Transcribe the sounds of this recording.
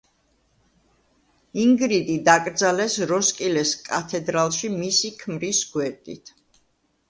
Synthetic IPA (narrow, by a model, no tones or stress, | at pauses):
iŋɡɾid̪id̪akʼɾd̪zalɛsɾɔskʼilɛskʼa̰t̪ʰɛd̪ɾalˠʃimisikʰmɾisɡwɛɾt̪ʼḭt̪ʰ